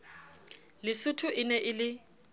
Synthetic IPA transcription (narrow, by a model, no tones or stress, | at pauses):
lɪsʊtʰʊʔɪnɛʔɪlɪ